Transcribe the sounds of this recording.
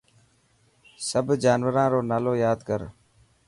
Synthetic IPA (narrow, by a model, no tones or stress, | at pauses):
səbʱd͡ʒaːnʋəɾãːɾoːnaːloːjaːd̪kəɾ